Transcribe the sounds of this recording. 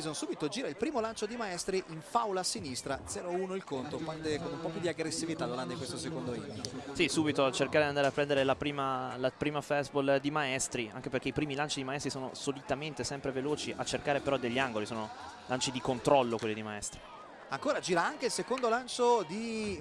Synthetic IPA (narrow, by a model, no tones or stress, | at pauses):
zonsuːbit̪od͡ʒiːɾailpɾiːmolant͡ʃod̪imaɛst̪ɾiʔiɱfawlasinist̪ɾad̪zɛːɾouːnoilkont̪opand̪ekonumpɔpjud̪iaɡɾesːivit̪alaland̪ikwest̪osekond̪oiːmisisuːbit̪oat͡ʃerkaɾed̪iand̪aɾapːɾɛnd̪eɾelapɾiːmalapɾiːmafɛsbold̪imaɛst̪ɾia̰ŋk̟eperk̟eipɾiːmilant͡ʃid̪imaɛst̪ɾisoːno̰solit̪ament̪esɛmpɾeveloːt͡ʃiʔa̰t͡ʃːerkaːɾepeɾɔd̪eʎːiaŋɡolisoːno | lant͡ʃid̪ikont̪ɾɔlːokwelːid̪imaɛst̪ɾi | aŋkoːɾad͡ʒiːɾaaŋk̟eilsekond̪olant͡ʃod̪i